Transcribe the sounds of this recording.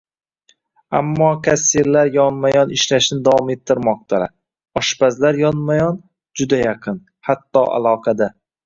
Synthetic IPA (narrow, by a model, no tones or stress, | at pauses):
a̰mːɒkʰʲasiɾlaɾjɒnmajɒnɪʃlaʃnɪd̪avɒme̞t̪ʰːɪɾmɒq̚t̪ʰala | ɒʃpazlaɾjɒnmajɒn | d͡ʒʊd̪ajaqʰɨn | hat̪ːɒʔa̰lˠɒqʰɑd̪a